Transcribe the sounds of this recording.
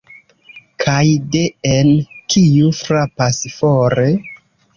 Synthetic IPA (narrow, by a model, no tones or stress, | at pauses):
kʰajde̞enkʰijufɾapasfoɾe̞